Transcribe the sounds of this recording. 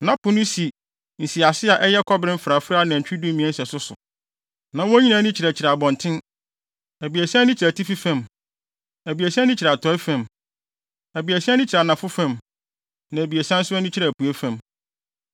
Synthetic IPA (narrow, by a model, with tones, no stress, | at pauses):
nã˨˦pʰʊ˦nʊ̃˦si˨ | n̩˨si˨a˨sɪ˦a˨ʔɛ˦jɛ˦kʰɔ˦bɾɪ̃˦m̩˦fɾa˨fɾa˦nã˨t͡ɕᶣi˦dũ˦mĩ˨ɛ̃˦sɛ˨sʊ˦sʊ̰˨ | nã˨wɔ̃˦ɲĩ˦nã˨˦nɪ̃˦t͡ɕʰɪ˨ɾæ˨t͡ɕʰɪ˨ɾa˨bɔ̃˨ntʰɪ̃˦n | æ˨bi˨æ˨si˦nɪ̃˦t͡ɕʰɾæ˨tʰi˦fi˦fã˨m | æ˨bi˨æ˨sɛ˦nɪ̃˦t͡ɕʰɪ˨ɾa˨tʰɔ˦ɛ˦fã˨m | æ˨bi˨æ˨si˦nɪ̃˦t͡ɕʰɪ˨ɾa˨nã˨fʊ˦fã˨m | nã˨bi˨æ˨si˦ã˦n̩˦sʊ˦ɛ˦nɪ̃˦t͡ɕʰɪ˦ɾaæ˨pʰu˨æ˦fã˨m